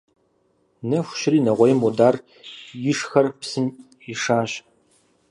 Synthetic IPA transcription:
nɐxʷʊ̥ɕɪriːnɐʁʷɔjɪmudaːr | jɪʂxɐrpsɨn | ɪʂaːɕ

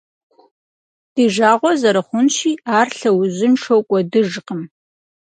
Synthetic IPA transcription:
d̥iːʒaːʁʷɔzɐɾɐχʷʊnʃiːaːrɬɐwʊʑɪnʂowkʷʼɔdɨʒqəm

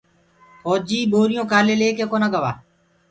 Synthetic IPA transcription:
koːd͡ʒiːɓoːɾɪjõːkaːleːleːkeːkoːnaːɡəʋa̰ː

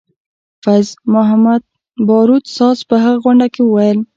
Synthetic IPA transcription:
fazmʊɦamad̪̚ | bɑɾut̪sɑzpəɦaɣaɣʊɳɖakewəwajəl

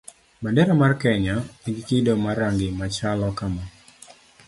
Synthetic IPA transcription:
bandɛɾamarkɛɲaiɡikɪdomaɾaŋɡɪmat͡ʃalɔkama

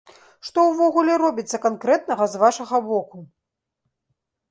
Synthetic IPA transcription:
ʂt̪ɔwvɔɣulʲɛɾɔbʲit̪sːɐkankɾɛt̪nɐɣɐzvaʂɐɣɐbɔku

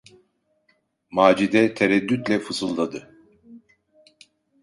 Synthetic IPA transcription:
maːd͡ʒid̪ɛt̪ʰeɾɛd̪ːyt̪lʲɛfɯzɯlˠd̪ad̪ɯ

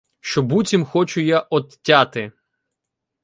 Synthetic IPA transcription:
ʃt͡ʃɔbutʲimxɔt͡ʃʊjaʔɔt̪tʲːat̪ɪ

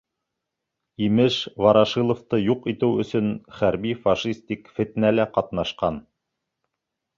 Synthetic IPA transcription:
imɘʃvɑɾɑʃilˠŏft̪ɤjuqit̪ɘwɵ̆sɵnχæɾbifɑʃist̪ʲikfɘ̆t̪ɘ̆nælæqɑt̪nɑʃqɑn

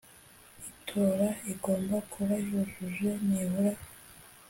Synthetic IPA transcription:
itʰoːɾaiɡo̞ːmbakʰuβajuʒuʒwenihuɾa

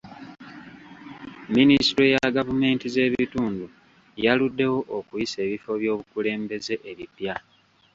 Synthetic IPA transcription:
ministɾojaɡavume̞ːntize̞ːβituːndu | jaludːe̞wo̞ʔokujise̞ːβifo̞βjo̞ːβukule̞ːmbe̞ze̞ʔeβipja

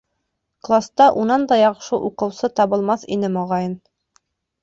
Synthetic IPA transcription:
klˠast̪ɑʔunɑnd̪ɑjɑqʃɤʔuqɤ̆wsɤt̪ɑβɤ̆lˠmɑθinɘmɑʁɑjɤn

